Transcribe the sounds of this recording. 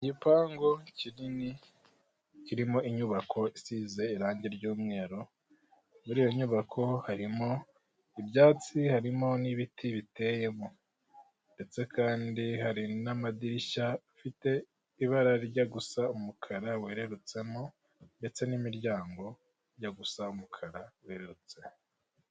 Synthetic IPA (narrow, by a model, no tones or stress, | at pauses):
ɟipaːŋɡo̞cinini | ciɾimo̞iɲuβakʰo̞isize̞iɾaːɲɟe̞ɾɟuːmŋe̞ːɾo̞ | muɾiːjo̞ɲuβakʰo̞haɾimo̞ | ibjaːt͡sihaɾimo̞niβitʰiβite̞je̞mo | nde̞t͡se̞kʰaːndihaɾinamadiɾiʃa | fite̞ | iβaɾaɾiɟaɡusaumukʰaɾawe̞ːɾe̞ɾut͡se̞mo̞ | nde̞t͡se̞nimiɾɟaːŋɡo̞ | ɾjaɡusaumukʰaɾawe̞ːɾeɾut͡se̞